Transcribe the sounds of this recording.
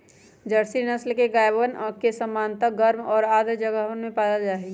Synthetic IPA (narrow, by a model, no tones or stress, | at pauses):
d͡ʒəɾsinəslkeɡaːjbənkesəmːaːnt̪aɡəɾmɔːɾaːd̪əd͡ʒəɡəɦwənmẽpaːd̪ald͡ʒaːɦeɡ